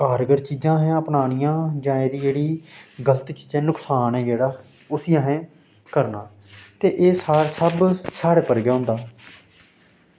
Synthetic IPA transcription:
kaːɾɡəɾt͡ʃiːzãːɦɛ̃ːəpnaːnɪjãːd͡ʒãːeːd̪iːd͡ʒeːɽiːɡələt̪ːt͡ʃiːd͡ʒãːnʊksaːnɦɛ̃ːd͡ʒeːɽaː | ʊsijãːɦɛ̃ː | kəɾnãː | t̪eːʔeːsaːsəbsaːɾeːpəɾɡeːɦõʊ̃ːnd̪aː

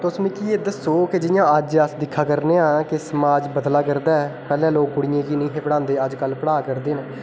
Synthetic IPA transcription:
t̪ʊsmĩːkiːeːd̪əsoːkɪd͡ʒɪjãːəd͡ʒəsd̪ɪkʰːaːkəɾneːãːkɪsəmaːd͡ʒbəd̪laːkəɾd̪aːɛːpɛːlɛ̃ːloːkːʊɽɪjẽːkiːnĩːɦẽːpəɽãːnd̪eːəd͡ʒkəlpəɽaːkəɾd̪eːnẽː

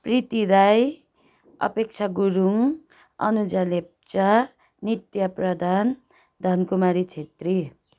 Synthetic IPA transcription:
prit̪iɾaj | ʌ̰pek̚t͡sʰaɡuɾuŋ | ʌ̰nud͡zalep̚t͡sa | nit̪jʌprʌd̪ʱan | d̪ʱʌnkumaɾit͡ʃʰet̪ri

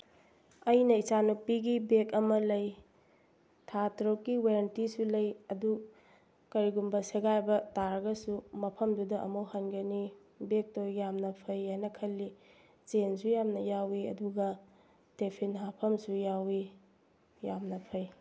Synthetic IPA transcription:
ɐjnɐit͡ʃanupiɡibekɐmɐlɐj | tʰatɾokːiwaɾɐntisulɐjɐdu | kɐɾiɡumbɐseɡajbɐtaɾɐɡɐsumɐpʰɐmdudɐʔɐ̰mowhanɡɐni | bek̚tojjamnɐpʰɐjanɐkʰɐlːi | t͡ʃensujamnɐjawiɐ̰duɡɐ | tepʰinɦapʰɐmsujawi | jamnɐpʰɐj

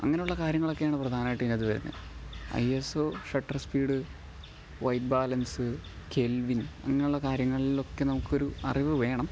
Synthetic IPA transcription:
ɐ̰ŋːɐneuɭːɐkaːɾjɐŋːɐɭo̞kːe̞jaːɳɨprɐd̪ʱaːnaːjʈːinːɐðɨʋɐɾṵnːɨ̰ɐ̰jesoːʂɐʈːɐrspiːɽɨ | ʋɐjʈ̚baːlɐnsɨ | kʰelʋinɐ̰ŋːɐnuɭːɐkaːɾjɐŋːɐɭio̞kːe̞nɐmukːo̞ɾuɐ̰riʋɨʋe̞ːɳɐm

